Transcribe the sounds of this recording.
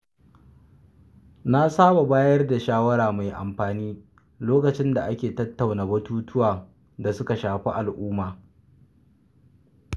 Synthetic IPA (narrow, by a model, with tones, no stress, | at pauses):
na˦saː˦ba˨baː˦jɐ˦rda˨ʃaː˦wɐ˦ɾaː˨ma˨jʔa̰˨mɸaː˨niː˦ | loː˦kɐ˨t͡ʃɪ˦nda˨ʔa˦kʲeː˨tɐ˦tːa˨wnaː˨bɐ˦tuː˦tʊ˦waː˨ | da˨sʊ˦ka˨ʃaː˨ɸi˦ʔa˨lʔʊː˦maː˨